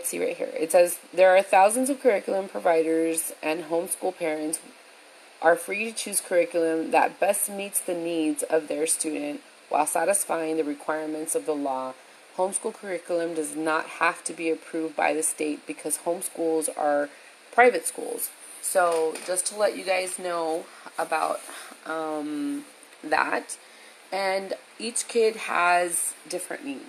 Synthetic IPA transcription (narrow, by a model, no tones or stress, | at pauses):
tsḭɹa̰ɪt̚hḭɹɨ̰tsɛzðə˞ːθaʊzə̃n̩zʌv̥kʰə˞ɪkjl̩ˠə̃mpʰɹ̥ɨvaɪɾə˞zʔɨ̃nɦõʊ̃mskulˠpʰɛɹɨ̃nts | ʔə˞fɹiɾɨt͡ʃʰʉz̥kʰə˞ɪkjl̩ˠɨ̃mðɨ̰t̚b̥ɛstmitsðɨnidzʌvðə˞stʉdⁿn̩ʔ | wa̰ɪlˠsæɾɨsfaɪɪ̃ŋðɨɹɨkʰw̥aɪɹmɨ̃ntsʌvðəlɔ | hõʊ̃mskulˠkʰə˞ɪkjl̩ˠə̃mdʌznət̚hæftʰɨbiɨpʰɹ̥ʉv̚ba̰ɪðɨsteɪt̚b̥ɨkʰʌz̥hõʊ̃mskulˠzə˞ | pʰɹ̥aɪvɨtskṵlˠz̥ | soʊd͡ʒʌstʰəlɛt͡ʃɨɡaɪznoʊ | əbaʊt̪̚ʔʌ̃m | ðæ̰t | ɨ̃n | it͡ʃkʰɪd̚ə̰zdɪfɹɨ̰̃nːidz̥